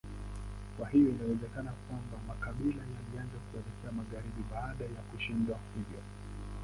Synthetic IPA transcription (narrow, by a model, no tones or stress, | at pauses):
kwaɦijɔinawɛzɛkanakwambamakaɓilajalianzakuɛnɛkʰɛamaɣaɾiɓiɓaːɗajakuʃindwahuvjɔ̰